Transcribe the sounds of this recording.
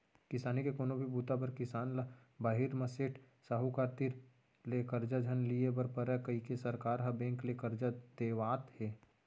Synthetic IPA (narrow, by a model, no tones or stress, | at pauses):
kɪsaːnikekoːnobʱibuːt̪abəɾkɪsaːnlabaːɦiɾmɐseːʈʰ | saɦukaɾt̪iɾ | lekəɾd͡ʒad͡ʒʱənliebəɾpəɾəkɐɦikesɐɾkaːɾɦɐbẽːŋklekəɾd͡ʒad̪̥eːʋaːt̪heː